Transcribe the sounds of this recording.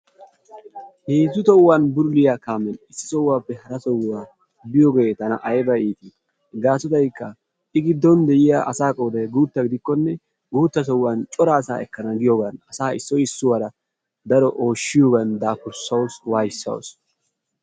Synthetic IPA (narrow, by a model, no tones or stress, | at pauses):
heːzʊt̪ɔwːanbʊɾlɪjaːkaːmɛnɪsːɪ̥sɔwːaːpːɛhɐɾɐsɔwwaː | bɪjɔɡet̪ɐnɐ̰ʔɐjbɐiːt̪i | ɡaːsɔt̪ɐjkːɐ | ɪɡɪd̪ːɔnd̪ɛjɪjaːʔɐsaːkʼɔwd̪ɐjɡuːt̪ːɐɡɪd̪ɪkːɔnːɛ | uːt̪ːɐsɔwːant͡ʃʼɔɾaːsa̰ːɛkːɐnɐɡɪjɔːɡɐnɐsaːɪsːɔjɪsːʊwaːɾɐ | d̪ɐɾɔʔo̞ːʃːɪjoːɡɐnd̪aːkʊɾsːɐwswaːjɪsːɐ̰w̰s